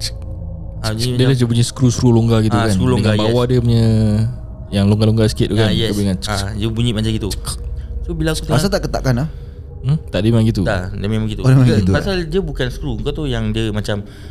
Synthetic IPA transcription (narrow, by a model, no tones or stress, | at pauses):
adiəlahd͡ʒəbuɲisə̥kɾuskɾuloŋɡaɡit̪ukanulŋɡabawadəpaɲə | jaŋloŋɡaloŋɡasə̥kiɪt̪̚ːukanjɛabiŋanadəbuɲiʔmat͡ʃaɡit̪usobilaːkkut̪masat̪aʔkət̪a̰ʔkanah̩ | t̪aʔdimaŋɡit̪udadamẽmãŋɡit̪uolamaaɡit̪upasaldiəbukansə̥kɾuəŋkat̪ujaŋdiəmat͡ʃam